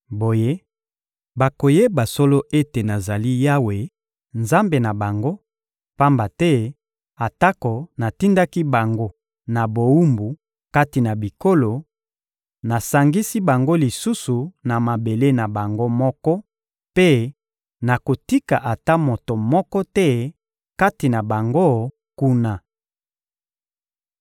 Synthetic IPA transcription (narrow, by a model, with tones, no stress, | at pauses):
bo˨je˦ | ba˨ko˨je˦ba˨so˦lo˦ʔe˦te˨na˨za˨li˦ja˦we˨ | nza˦mbe˨na˨ba˨ŋɡo˦ | pa˦mba˨tɛ˦ | a˨ta˦ko˨na˨ti˦nda˦ki˦ba˨ŋɡo˦ | na˨bo˨wu˦mbu˨ | ka˦ti˨na˨bi˨ko˦lo˨ | na˨sa˨ŋɡi˦si˦ba˨ŋɡo˦li˨su˦su˨na˨ma˨be˨le˦na˨ba˨ŋɡo˦mɔ˦kɔ˦ | pe˦ | na˨ko˨ti˦ka˨ʔa˨ta˦mo˨to˨mɔ˦kɔ˦tɛ˦ | ka˦ti˨na˨ba˨ŋɡo˦ | ku˦na˨